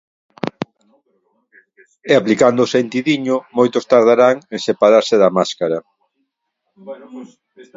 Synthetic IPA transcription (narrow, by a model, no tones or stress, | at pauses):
eaplikand̪oːsent̪iðiɲʊmojt̪ʊst̪aɾð̞aɾaŋesepaɾaɾsɪðamaskaɾa